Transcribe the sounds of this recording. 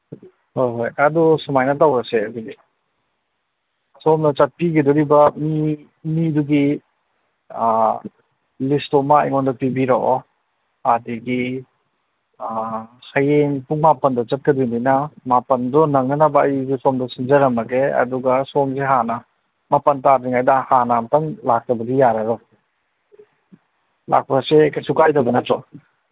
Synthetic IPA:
hojɦojɐdusɔmajnatawɾɐseɐduɡi | sɔmnɐt͡ʃat̚piɡidɔɾibɐmi | miduɡi | listɔma̰ːjŋɔndɔpibiɾaʔɔ | adiɡi | hɐjeŋpuŋmapɐndɔt͡ʃɐt̚kɐdujndinɐmapɐndɔnɐŋːɐnɐbɐːjɡisomdɔsind͡ʒɐɾɐmɐkeɐ̰duɡɐsɔŋzeɦanɐ | mapɐntaɾdiŋajdɐhanamɐtaŋlak̚tɐbɐdijaɾɐɾɔ | la̰k̚pasekajsukajdɐbɐnɐtɔ

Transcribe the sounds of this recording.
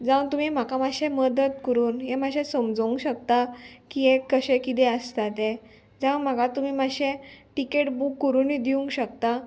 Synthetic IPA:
d͡zãwnt̪um̤im̤akamaɕeməd̪ət̪kəɾuːnɦemaɕẽsəmd͡zũŋkɕək̚t̪akiekːəɕẽkit̪ɛəst̪at̪e | d͡zãwm̤aɡat̪um̤iːmaɕẽʈikeʈbukːəɾuːnid̪iũŋɡɕəkt̪a

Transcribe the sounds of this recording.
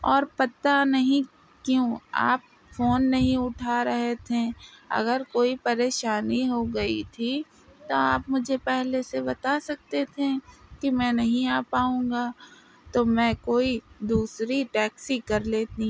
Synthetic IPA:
ɔːɾpɐt̪anɐɦĩ | kjũːa̰ːp̚ | foːnːɐɦĩʊʈʰaɾɐɦet̪ʰeɐ̰ɡəɾkoːipɐɾeːʃaːniɦoɡɐit̪ʰi | t̪oaːpmʊd͡ʒʱepɛɦlesebɐt̪asɐk̚t̪et̪ʰekimɛ̃ːnɐɦĩaːpaːũːŋɡa | t̪omɛ̃ːkoːid̪uːsɾiʈɛːksikɐɾleːt̪ĩ

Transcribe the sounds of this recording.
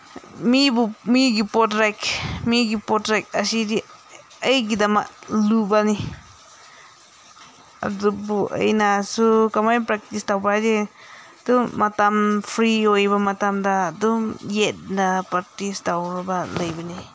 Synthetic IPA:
mibumiɡipotɾakmiɡipotɾak̚asidi | əjɡid̪ama̰ʔlubani | a̰d̪ubuʔa̰jnasukamajpɾak̚t̪ist̪awbade | d̪̥umat̪amfɾiojbamat̪amd̪ad̪umjet̪̚napaɾt̪ist̪awɾbaləjbani

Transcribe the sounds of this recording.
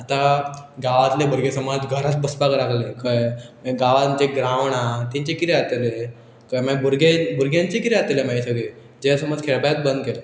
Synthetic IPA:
at̪aɡaʋat̪lebəɾɡesəmad͡zɡʱəɾat̪̚bəspakɾakʰlekʰəjɡaʋãɲt͡ɕeɡɾãʋɳ̃at̪ĩɲt͡ɕekit̪eat̪ele | kəjmabuɾɡebuɾɡjãɲt͡ɕekit̪eat̪elemaisəɡɭe | d͡ʑeasəmad͡zkʰeɭbajat̪̚bənd̪kele

